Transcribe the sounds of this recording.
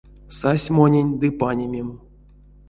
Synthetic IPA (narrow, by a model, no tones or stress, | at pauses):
sasʲmonʲenʲd̪ɨpanʲemʲem